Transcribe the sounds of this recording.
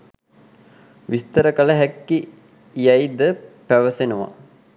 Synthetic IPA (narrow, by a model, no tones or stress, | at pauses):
ʋist̪əɾəkələɦækːi | jɐjd̪əpæʋəsenuʋa̰